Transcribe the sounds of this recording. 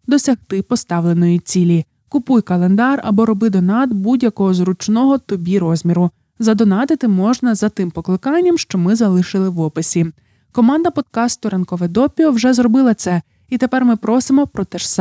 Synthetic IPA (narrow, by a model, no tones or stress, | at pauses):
d̪ɔsʲɐxt̪ɪpɔst̪ɑʋlˠe̞nɔjit͡sʲilʲi | kʊpujkɐlˠe̞nd̪ɑrɐbɔɾɔbɪd̪ɔnɑt̪budʲjɐkɔɦɔzɾʊt͡ʃnɔɦɔt̪ɔbʲiɾɔzʲmʲiɾʊ | zɐd̪ɔnɑt̪ɪt̪ɪmɔʒnɐzɐt̪ɪmpɔklˠɪkɑnʲːɐmʃt͡ʃɔmɪzɐlˠɪʃɪlˠɪʋɔpɪsʲi | kɔmɑnd̪ɐpɔd̪̚kɑst̪ʊɾɐnkɔʋɛd̪ɔpʲiɔwʒɛzrɔbɪlˠɐt̪sɛ | it̪epɛrmɪpɾʔɔsɪmɔpɾɔt̪ɛʃs